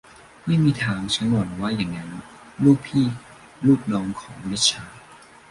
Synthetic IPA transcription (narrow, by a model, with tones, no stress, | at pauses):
ma˥˩jmiː˧t̪ʰaː˧ŋt͡ɕʰa˦˥nbɔː˨˩nwaː˥˩jaː˨˩ŋːa˦˥n | luː˥˩k̚pʰiː˥˩ | luː˥˩p̚nɔː˧ŋkʰɔː˩˦ŋle˦˥t̪̚t͡ɕʰaː˧